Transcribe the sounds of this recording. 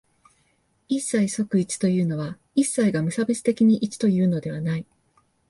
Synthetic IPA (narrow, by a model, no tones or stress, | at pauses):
isːaiso̞kɯ̟it͡ɕi̥t̪o̞jɯ̟ːno̞βa | isːaiɡamɯ̟sabesɨ̥t̪e̞kʲiɲ̟iʔit͡ɕi̥t̪o̞jɯ̟ːno̞d̪e̞β̞anai